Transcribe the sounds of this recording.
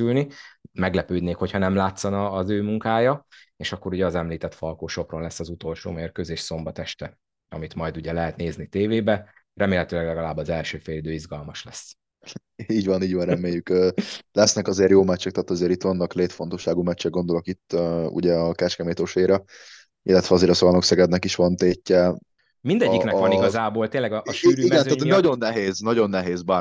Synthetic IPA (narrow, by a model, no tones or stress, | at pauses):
ylnimɛɡlɛpøːd̪neːkho̞chɒnɛmlaːt̪sɒnɒːzøːmuŋkaːjɒeːʃɒkːo̞ɾuɟɛɒzɛmliːt̪ɛt̪fɒlkoːʃo̞pronlɛsːɒzut̪o̞lʃo̰ːmeːrkøːzeːʃso̞mbɒt̪ɛʃt̪ɛ | ɒ̰mit̪mɒjd̪uɟɛlɛɦɛt̪neːznit̪eːveːbɛ | rɛmeːlɦɛt̪øːlɛɡlɛɡɒlaːbːɒzɛlʃøːfeːlid̪øːizɡɒlmɒʃlɛs | iːɟvɒniːɟʋɒnrɛmeːjykːlɛsnɛkɒzeːɾjoːmɛt͡ʃːɛk̚t̪aːt̪ɒzeːɾit̪ʋɒnːɒkleːt̪fo̞nt̪oʃːaːɡuːmɛt͡ʃːɛɡo̞nd̪o̞lo̞kit̪ːøṵɟɛɒkɛʃkɛmeːt̪oʃeiɾɒ | ilːɛt̪ʋɛɒzeːɾɒsolɒnoksɛɡɛd̪nɛkiʃʋɒnt̪eːcːɛ | mind̪ɛɟːiknɛɒniɡɒzaːboːlt̪eːnlɛɡʔʃiɡɛnaːt̪nɒɟo̞nːɛɦeːznɒɟo̞nːɛɦeːzbaː